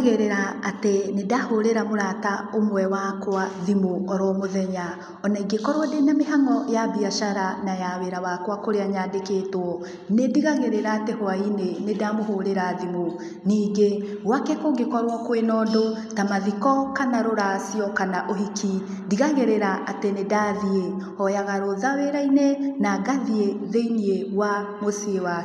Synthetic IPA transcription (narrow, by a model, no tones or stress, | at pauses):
ɣeɾeɾaːtenedahoɾeɾamoɾataomwɛwakwaðimoɔɾɔmoðɛɲa | ɔnaiɡekɔɾwɔdenameɦaŋɔjabiaʃaɾanajaweɾawakwakoɾeaɲaːdekeːtwɔ | nediɣaɣeɾeɾaːtehoainenedamohoɾeɾaðimo | niːɡeɣwakekoɡekɔɾwɔkwenɔdo | tamaðikɔkanaɾoɾasiɔkanaʔoɦiki | diɣaɣeɾeɾaʔatenedaðie | ɔjaɣaɾoðaweɾainenaɡaðieðeiniewamosiewa